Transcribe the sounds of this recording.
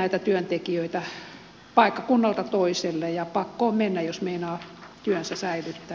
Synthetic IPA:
æit̪æt̪yønt̪ekiøit̪æ | pɑikːɑkunːɑlt̪ɑt̪oiselːejɑpɑkːoːmenːæjjosmeinɑːt̪yønsæsæilyt̪ːæː

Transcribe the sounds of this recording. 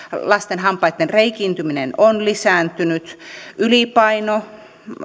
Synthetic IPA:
lɑst̪enhɑmpˑɑit̪ːenreikint̪yminenonlisæˑnt̪ynyt̪yliˑpɑino

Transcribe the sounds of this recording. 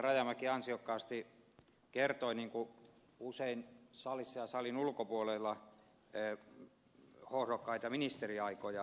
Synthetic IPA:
rɑjɑmɑkiɑnsiokːɑːst̪i | kert̪oiniːŋku | useinsɑlisːɑjɑsɑlinulkopuolelːɑ | hohrokːɑit̪ɑminist̪eriɑikojɑ

